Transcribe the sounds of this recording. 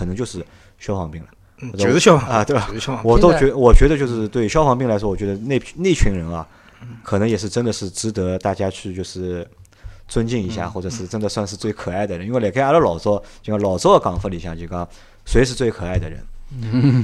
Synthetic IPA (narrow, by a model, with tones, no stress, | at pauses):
kʰə˨˩nɤ˧˥ŋt͡ɕjo˥˧ʊʂɻ̩˥˩ | ɕjɑ˥ʊfɑ˧˥˩ŋpi˥˩ŋlɐ˩˨˩ | ɕə˧t̪we˥˩ɪwɔ˨˩t̪o˥ʊt͡ɕɥɛ˧˥ə˧˩wɔ˨˩t͡ɕɥɛ˧˥d̪ə˧t͡ɕjo˥˧ʊʂɻ̩˥˧t̪we˥˩ɪ˧ɕjɑ˥ʊfɑ˥ŋp̬i˥˩ŋla˧˥ɪʂwɔ˥wɔ˨˩t͡ɕɥɛ˧˥ə˧ne˥˩ne˥˩ɪ˧t͡ɕʰy˧˥nɻə˧˥nɐ˧ | kʰɤ˨˩nɤ˧˥ŋjɛ˨˩ʂ̬ɻ̩˥˧ʈ͡ʂə˥nd̪ə˨ʂɻ̩˥˩ʈ͡ʂɻ̩˧˥t̪ɤ˧˥t̪a˥˩t͡ɕja˥t͡ɕʰy˥˧t͡ɕjo˥˧ʊʂɻ̩˥˩ | t͡swə˥nt͡ɕi˥˩ni˧˥ɕja̰˥˩xwɔ˥˩ʈ͡ʂɤ˨˩ʂɻ̩˥˩ʈ͡ʂə˥nd̪ə˨swa˥˧nʂ̬ɻ̩˥˧t͡swe˥˩ɪkʰɤ˨˩a˥˩ɪd̪ə˩ɻwjɛ˨˩kʰlə˧lɑ˨˩ʊt͡sɔ˥ʊt͡ɕlɑ˨˩ʊt͡so˥ʊd̪ə˩kɑ˨˩˦ŋfə˥˩li˧˩ɕjɑ˥˧˩t͡ɕi˥˩kɑ˥ | swe˧˥ɪʂɻ̩˥˧t͡swe˥˩ɪkʰɤ˨˩a˥˩ɪd̪ə˩ɻə̰˧˥n